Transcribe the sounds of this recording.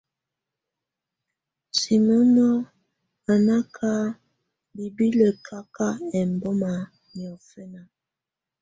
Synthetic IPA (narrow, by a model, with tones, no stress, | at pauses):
ti˨mɔ˦nɔ˦ | a˨na˦kʰa˦ | bi˨bi˦lə˨kʰa˦ka˦ɛ˨m˨bɔ˦ma˨ | mjɔ˨fɛ˦na˨